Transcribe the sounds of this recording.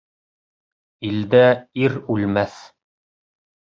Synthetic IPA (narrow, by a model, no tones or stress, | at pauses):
ild̪æiɾʉlmæθ